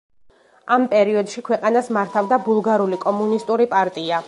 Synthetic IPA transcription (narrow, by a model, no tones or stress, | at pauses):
ampʼɛɾiɔd̪̥ʃikʰwɛqʼanasmaɾt̪ʰavd̪abulˠɡaɾulikʼɔmunist̪ʼuɾipʼaɾt̪ʼia